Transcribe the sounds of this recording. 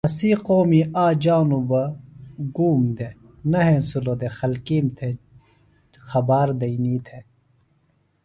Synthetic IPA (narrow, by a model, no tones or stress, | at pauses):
ɐsiːqoːmiaːd͡ʒaːnubɐɡuːmd̪e | nɐɦẽnsulod̪exɐlkiːmt̪ʰe | xɐbaːɾd̪ɐiniːt̪ʰe